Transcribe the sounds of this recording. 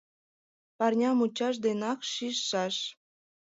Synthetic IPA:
pɑrnʲɑmut͡ɕɑʃ̬d̪enɑkʃiʃːɑʃ

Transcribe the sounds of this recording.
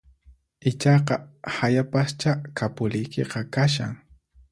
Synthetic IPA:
ɪt͡ʃɑqɑhajapast͡ʃakʰapʊlɪjkeqɑkaʃa̰ŋ

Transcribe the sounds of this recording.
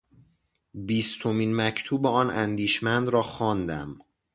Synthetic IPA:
biːst̪ʰomiːnmæcʰt̪ʰuːbeɒːnænd̪iːʃmænd̪ɾɒːxɒːnd̪æm

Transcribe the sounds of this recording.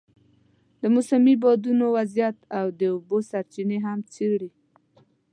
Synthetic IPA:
d̪əmʊsamibɑd̪unowazjat̪awd̪əubosaɾt͡ʃineɦamt͡seɽi

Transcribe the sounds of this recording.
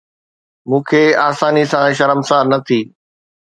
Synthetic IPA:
mũːkʰeːaːsaːnisãʃɐɾəmsaːɾnɐt̪ʰiː

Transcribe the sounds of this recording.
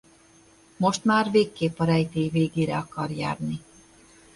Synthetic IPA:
mo̞ʃt̪maːrveːkːeːpɒɾɛjt̪eːjveːɡeːɾɛɒkɒrja̰ːrni

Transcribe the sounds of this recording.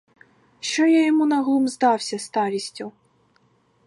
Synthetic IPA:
ʃt͡ʃɔjajɔmunɐɣlˠumzd̪ɑwsʲɐst̪ɑɾʲisʲtʲʊ

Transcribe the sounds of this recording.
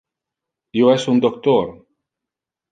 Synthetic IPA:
joesund̪ok̚t̪oɾ

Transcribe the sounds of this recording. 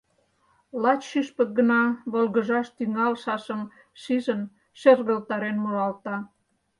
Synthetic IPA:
lɑt͡ɕʃiʃpək̚ɡənɑβolɣə̆ʒɑʃt̪yŋɑlʃɑʃəm | ʃiʒən | ʃerɣəlt̪ɑɾenmolɑlt̪ɑ

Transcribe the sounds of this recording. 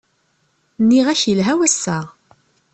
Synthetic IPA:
nːiʁæçəlɦæwæsːæʁ

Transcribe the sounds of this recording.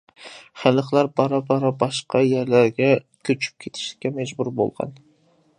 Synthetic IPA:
χæləχlˠæɾbɑɾɑbɑɾɑbɑʃqʰɑjæɾlæɾɡʲɛ | kʲʰøt͡ʃʰy̥p̚kʲʰet̪ʰɪ̥ʃlɪ̥kʲːɛmɛd͡ʒbuɾbo̰lˠʁɑ̰n

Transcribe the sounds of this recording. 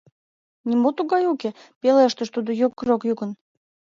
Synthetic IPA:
nʲimot̪uɣɑjukepeleəʃt̪əʃt̪ud̪ojokːrokjuɣən

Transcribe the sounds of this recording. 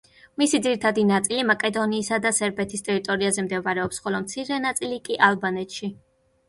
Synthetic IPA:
misid̪ziɾit̪ʰad̪inat̪sʼilimakʼɛd̪ɔniːsad̪asɛɾbɛt̪ʰist̪ʼɛɾit̪ʼɔɾiazɛmd̪ɛvaɾɛɔpsχɔlɔmt̪sʰiɾɛnat̪sʼilikʼiʔalˠbanɛt̪ʃi

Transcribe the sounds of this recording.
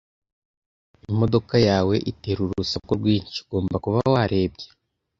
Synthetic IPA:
imo̞do̞kajaːwe̞ʔiteːɾuɾusakuɾɡwiːɲciɡo̞ːmbakuβawaɾe̞ːbɟe

